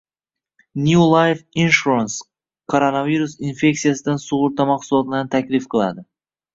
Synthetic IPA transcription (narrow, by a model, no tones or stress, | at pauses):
njulˠajfinʃuɾans | kʰoɾonaviɾusinfe̞ksijasɪd̪ansʊʁʊɾt̪ɑmɑqsulˠɒt̪ɪnt̪ʰakʲlɪfqʰɨlˠa̰d̪ɪ